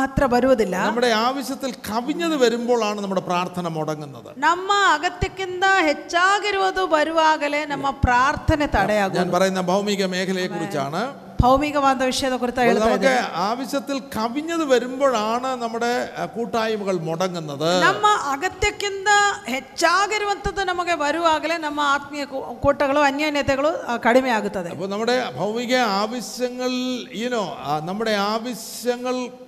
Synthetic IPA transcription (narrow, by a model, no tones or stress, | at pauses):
t̪rɐbɐɾuʋɐðilːɐnɐɐmːuɽe̞aːʋɐɕjɐt̪ːilkʰɐʋiɲːɐðɨʋɐɾumbo̞ːɭaːɳɨnɐmːuɽe̞praːrt̪ʰɐnɐmoɽɐŋːunːɐðɨ̰nɐmːɐɐɣɐt̪jɐkʲːunːɐhet͡ɕːaːɣɐɾuʋɐðɨbɐɾuʋaːɣɐlenɐmːɐpraːrt̪ʰɐnɐt̪ɐɽɐjaːɣuɲaːnpɐrɐjunːɐbʱɐwmiːɣɐme̞ːkʰɐlɐjekːurit͡ɕːa̰ːɳɨ | bʱɐwmiːɣɐʋaːnd̪ɐʋiʂɐjeːðɐkurit͡ɕ̪ːaːjeɽuɐmɐk̪ðkːɨaːʋɐɕjɐt̪ːilkʰɐʋiɲːɐðɨʋɐɾumbo̞ːɭaːɳɨnɐmːuɽe̞kuːʈːaːjɐmuɣɐɭmoɽɐŋːunːɐðɨnɐmːɐʔɐɣɐt̪jɐkːund̪ɐhet͡ɕːaːɡɐɾiʋɐnt̪ːɐt̪ːɨnɐmukːeʋɐɾuʋaːɣɐlɐnɐmːɐaːt̪mijɐkuːʈːɐɣɐɭoɐnjaːnjɐt̪ːɐɣɐɭokɐɽimɐjaːɣut̪ːɐðeɐ̰pːoːnɐmːuɽe̞bʱɐwmiɣɐaːʋɐɕjɐŋːɐɭiðino̞ːnɐmːuɽe̞aːʋɐɕ | jɐŋːɐɭ